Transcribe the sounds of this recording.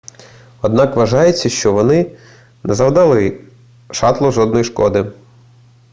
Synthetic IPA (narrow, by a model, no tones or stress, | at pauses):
ɔd̪nɑkʋɐʒɑjet͡sʲːɐʃt͡ʃɔʋɔnɪ | nɛzɐwd̪ɐlˠɪ | ʃɑt̪lˠɔʒɔd̪nɔjiʃkɔd̪ɪ